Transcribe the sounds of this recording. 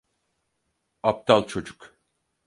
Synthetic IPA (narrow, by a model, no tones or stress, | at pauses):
ap̚t̪ʰalˠt͡ʃʰo̞d͡ʒu̥k